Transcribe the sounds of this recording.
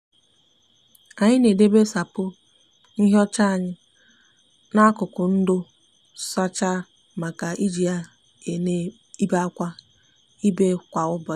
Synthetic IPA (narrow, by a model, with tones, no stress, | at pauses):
a˨ɲɪ˦ne˨de˦be˦sa˨pʊ˦ | n̩˦ɦe˦ɔ˦t͡ʃa˦a˨ɲɪ˦ | na˦a˦kʊ˨kʊ˨n̩˦dʊ˦ | sa˦t͡ʃa˦ | ma˨ka˨ʔi˦d͡ʒi˨a˦ | e˨ne˦ | i˦ba˦a˦kʷa˦ | i˦be˦kʷa˨ʊ˦bɔ˨˦